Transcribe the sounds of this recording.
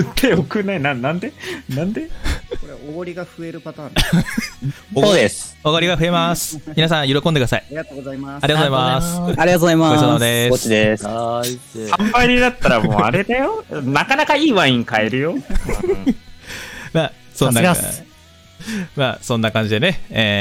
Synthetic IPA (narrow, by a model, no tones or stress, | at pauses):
t̪ʰeokɯ̟nainãnãnd̪e̞nãnd̪e̞oɾeoɡoɾʲiɡaɸɯ̟e̞ɾɯ̟pat̪ãː | od̪esoɡoɾʲiɡaɸɯ̟e̞masɨ̥mʲinasãɰ̃joɾokõndek̟d̪asaiat̪oːɡoaimaɾʲiat̪ozaimasaɾʲiɡat̪oːzaimaɡot͡ɕod̪esot͡ɕid̪e | sãmpaiɾʲid̪at̪ːaɾamoːa̰ɾe̞d̪ajo̞nakanakaiːβãĩŋkae̞ɾɯ̟jo̞ | maː | sõnːa | maːsõ̞nːakãɲ̟d͡ʑid̪e̞ne̞eː